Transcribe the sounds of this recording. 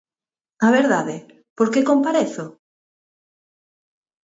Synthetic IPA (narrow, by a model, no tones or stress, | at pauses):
aβeɾðaðɪ | poɾkekompaɾeθo